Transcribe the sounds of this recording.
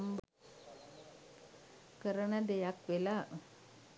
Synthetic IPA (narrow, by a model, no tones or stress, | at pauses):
mb | kəɾənəd̪ejakʋela